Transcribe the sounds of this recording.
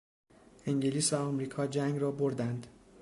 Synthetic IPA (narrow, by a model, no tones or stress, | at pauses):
e̞ŋɟe̞liːsvæɒmɾiːkʰɒːd͡ʒæŋɡrɒːboɾd̪ænd̪̥